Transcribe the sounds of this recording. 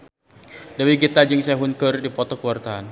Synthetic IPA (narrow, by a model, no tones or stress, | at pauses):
dawiɡit̪ad͡ʒəŋsɛaɦunkərdipɔt̪ɔkəwart̪aan